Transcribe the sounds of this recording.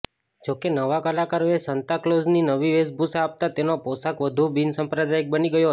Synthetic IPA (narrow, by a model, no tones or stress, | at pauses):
d͡ʒokenəʋakəlakaɾoesənt̪aklozninəʋiʋesbʱusaːp̚t̪at̪enoposakʋəd̪ʱubinsəmpɾəd̪ajək̚bəniɡəjoɦə